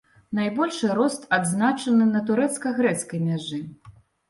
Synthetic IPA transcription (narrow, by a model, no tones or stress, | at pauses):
najbɔlʲʂɨɾɔst̪ad̪znat͡ʂɐnɨnɐt̪̬uɾɛt̪skɐɣɾɛt̪skɐjmʲaʐɨ